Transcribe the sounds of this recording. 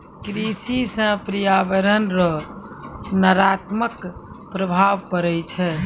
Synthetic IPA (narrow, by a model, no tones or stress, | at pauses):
kɾisisə̃pɾijabəɾənɾɔ | naɾat̪mək | pɾəbʱaʋkəɾɛjt͡ʃʰɛ